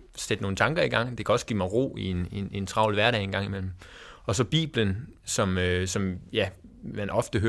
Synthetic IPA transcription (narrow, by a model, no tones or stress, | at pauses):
sed̥no̝ːn̩t͡sʰɑ̈ŋɡ̥ɐiɡ̥ɑ̈ŋ̰d̥e̝kʰæɒ̽sɡ̥ḭːmɑ̈ɪʁo̝̰ːienenent͡sʰʁɑ̈ʊ̰lʋæɐɾɛ̰ɪenɡ̥ɑ̈ŋ̰imel̰m̩ɒ̽sɒ̽b̥ḭːb̥lənsɒ̽møsɒ̽mjæmænʔɒ̽fd̥əɦø